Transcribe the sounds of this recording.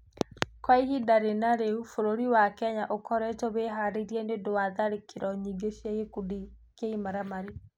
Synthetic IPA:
kwaiɦidaɾenaɾeufoɾoɾiwakɛɲaʔokʰɔɾɛtoβeɦaɾeɾiɛnedowaðaɾekʰeɾɔɲiɡeʃiaɣekudi | keimaɾamaɾe

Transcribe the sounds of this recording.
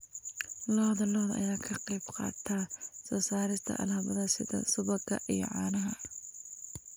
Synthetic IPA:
lɔːðɐlɔːðɐ̰jaːkʰɐqɑjbqɑ̰ːt̪ʰɐsɐsaːɾɪst̪ʰɐ̰ʔɐ̰lhɐβɐðɐsɪ̰ðɐ̰sʊβɐɡɐ̰ʔijɞ̰ʕɑːnɐɦɐ

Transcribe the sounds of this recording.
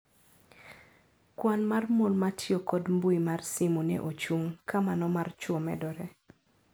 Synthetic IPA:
kwanmarmolmatʰjokɔdmbuimarsimunɛ̰ʔot͡ʃuŋkamanɔmart͡ʃwɔmɛ̰dɔɾɛ

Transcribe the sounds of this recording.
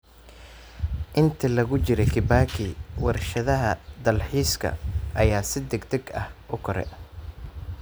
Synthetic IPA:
ʔɪnt̪ʰilɐɣʊt͡ʃɪɾɛkʰɪbaːkʰɪwɐrʃɐðɐɦɐd̪ɐlħiːskʰɐ̰ɐjaːsɪd̪ɛɡd̪ɛɡɐhʔʊkʰɔɾɛ̰

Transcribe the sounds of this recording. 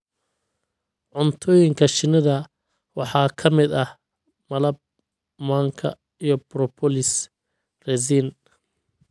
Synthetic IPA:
ʕʊnt̪ʰɔːjɪŋkʰɐʃɪnɐðɐ | wɑħɑːkʰɐmɪd̪ɐh | mɐlɐb̚ | maːŋkʰɐ̰ | ijɔbɾɔpʰɔlɪs | rɛzin

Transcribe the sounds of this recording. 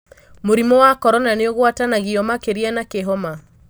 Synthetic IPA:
moɾimɔwakɔɾɔnaneoɣwatanaɣiɔmakeɾianakeɦɔma

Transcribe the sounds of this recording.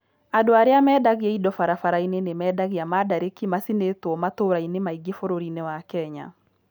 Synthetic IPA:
adoaɾeamɛːdaɣiɛidɔfaɾafaɾainenemɛdaɣeamadaɾekimasinetwɔmatoɾainemaiɡefoɾoɾinewakɛɲa̰

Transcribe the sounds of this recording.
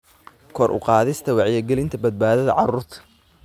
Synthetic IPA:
kʰɔrʔʊ̰qɑːðɪst̪ʰɐwɑʕjɛɡɛlɪnt̪ʰɐbɐd̪̚baːðɐðɐ̰ʕɑɾuːrt̪ʰɐ̥

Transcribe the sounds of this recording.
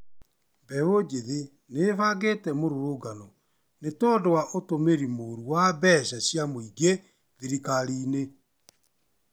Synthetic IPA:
bɛod͡ʒeðe | nefaɡetɛmoɾoɾoːɡanɔ | netɔdowaʔotomeɾimoɾuwabɛːɕaɕjamoiɡe | ðiɾikaɾiːne

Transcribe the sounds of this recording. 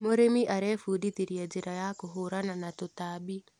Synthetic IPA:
moɾemiʔaɾɛfuːditiɾjad͡ʒiɾajakoɦoɾananatotabi

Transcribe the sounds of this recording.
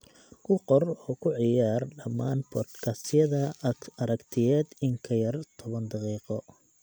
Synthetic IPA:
kʰʊqɔrɔːkʰʊʕɪjaːrɖɐmːaːnpʰɔd̪kʰɐsɪjɐðɐɐɾɐkt̪ʰɪjɛːd̪ɪŋkʰɐjɐrt̪ʰɔβɐnd̪ɑqiːqɔ

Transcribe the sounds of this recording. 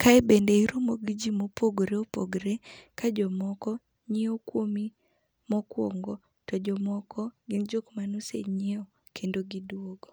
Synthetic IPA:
kʰaɛbendeiɾumoɡid͡ʒimopoɡɾeopoɡɾekad͡ʒɔmɔkɔ | ɲɪɔkwomi | mɔkwo̰ŋɡɔ | tɔd͡ʒɔmɔkʰɔɡɪnd͡ʒokmanusḛɲɪɔ | kʰendoɡidwoɡo

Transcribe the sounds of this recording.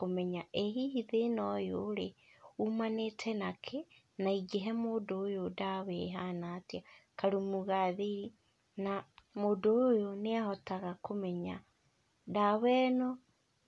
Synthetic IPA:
komɛɲaʔeɦihiðenɔjoːɾeumanetʰɛnakʰe | naiɡeɦɛmoːdoːjodawɛɦanatiakaɾumuɣaðii | namodoːjoneahɔtaɣakomɛɲa | dawɛnɔ

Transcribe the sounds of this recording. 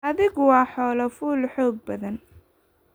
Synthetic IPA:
ɐðɪɣʊwɑːħɔːlɐfuːlħɔːɡ̚bɐðɐn

